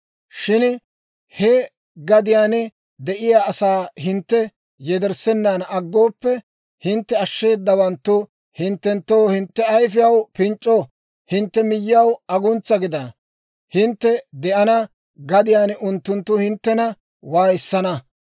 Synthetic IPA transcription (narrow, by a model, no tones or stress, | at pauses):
ʃɪn | hɛ | ɡɐd̪ɪjaːn | d̪ɛʔɪjaːɐsaːɦɪnt̪ːɛ | jɛd̪ɛɾsɛnːanɐɡːo̞ːpːɛ | hɪnt̪ːɛɐʃːe̞ːd̪ːɐbɐnt̪ːʊ | hɪnt̪ːɛnt̪ːoːhɪnt̪ːɛɐjfɪjɐwpɪnt͡ʃʼːoː | hɪnt̪ːɛmɪjːɪjɐwɐɡʊnt͡sːɐɡɪd̪ɐnɐ | hɪnt̪ːɛd̪ɛʔɐnɐ | ɡɐd̪ɪjaːnʊnt̪ːʊnt̪ːʊhɪnt̪ːɛnɐ | waːjsːɐnɐ